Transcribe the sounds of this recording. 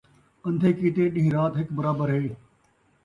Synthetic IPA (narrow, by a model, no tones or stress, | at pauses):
ə̃nd̪ʱeːkiːt̪eːɗɪ̃ɦĩɾaːt̪ɦɪkbəɾaːbəɾɦeː